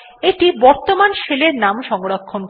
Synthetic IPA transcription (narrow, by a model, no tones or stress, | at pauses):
eʈibɔɾt̪omanʃeleɾnamʃɔŋɡɾokʰːonk